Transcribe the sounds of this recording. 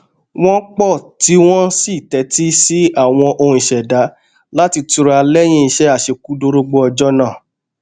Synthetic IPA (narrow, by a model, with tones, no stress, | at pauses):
w̃ɔ̃˦k͡pɔ˦˨ti˦w̃ɔ̃˦si˦˨tɛ˨˦ti˦si˦a˦˨w̃ɔ̃˧ʔo˧hũ˧i˨ʃɛ˨da˨˦ | la˦ti˧tu˧ɾa˧lɛ˦j̃ĩ˦i˧ʃɛ˦a˦˨ʃe˧ku˦do˧˦ɾo˧ɡ͡bo˧˦ɔ˧d͡ʒɔ˦nã˦˨